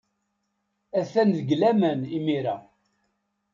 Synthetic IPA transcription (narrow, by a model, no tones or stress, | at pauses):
æθænðəɡlæmənimiɾa